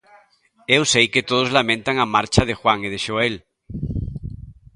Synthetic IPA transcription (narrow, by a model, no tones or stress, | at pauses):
ewsejket̪oð̞ozlamẽnt̪aŋamaɾt͡ʃaðexwaŋið̞eʃoel